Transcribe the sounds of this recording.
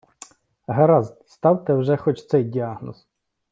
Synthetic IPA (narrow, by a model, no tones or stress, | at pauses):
ɦɐɾɑzst̪ɑwt̪ɛwʒɛxɔt͡ʃt̪sɛjdʲiɑɦnɔs